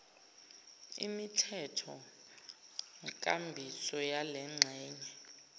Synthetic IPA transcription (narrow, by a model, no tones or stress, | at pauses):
ḭmitʰɛtʰɔ | ŋkʼambʱisɔjalɛŋ͡ǁʱɛːɲɛ